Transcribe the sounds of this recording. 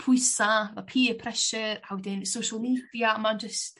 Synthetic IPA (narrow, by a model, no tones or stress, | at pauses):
pʰʊɨsavapʰiːpʰɾɛʃəɾawdɪnsowʃəlˠmiːdiamand͡ʒəst